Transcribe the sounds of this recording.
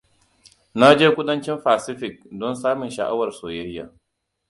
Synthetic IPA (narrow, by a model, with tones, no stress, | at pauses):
na˦d͡ʒeː˦kʷʊ˦ɗɐ˦nt͡ʃɪ˦mɸaː˨sɪ˦ɸɪ˨k̚dɔ˦nsaː˦mɪ˨nʃɐ̰˨ʔa̰˦wɐ˨rsoː˨jɐ˦jja̰ː˨